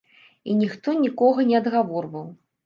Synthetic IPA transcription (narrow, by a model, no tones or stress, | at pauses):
inʲixt̪ɔnʲikɔɣɐnʲɛɐd̪ɣavɔrvɐw